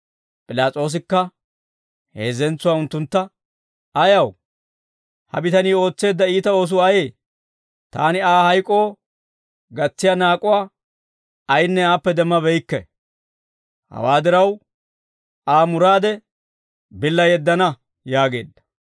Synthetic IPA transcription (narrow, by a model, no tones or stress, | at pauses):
pʼɪlaːt͡sʼo̞ːs̬ɪkːɐ | he̞̰ːzɛnt͡sːʊwaːʊnt̪ːʊnt̪ːɐ | ɐjɐw | hɐ̰bɪt̪ɐniːo̞ːt͡sːe̞ːd̪ːɐiːt̪ɐo̞ːs̬ʊɐjeː | t̪a̰ːnɪaːhɐjkʼːoː | ɡɐt͡sːɪjanaːkʼʊwaː | ɐjnːɛaːpːɛd̪ɛmːɐbɛjkːɛ̰ | hɐ̰waːd̪ɪɾɐw | aːmʊɾaːd̪ɛ | bɪlːɐjɛd̪ːɐnɐ | jaːɡe̞̰ːd̪ːɐ̥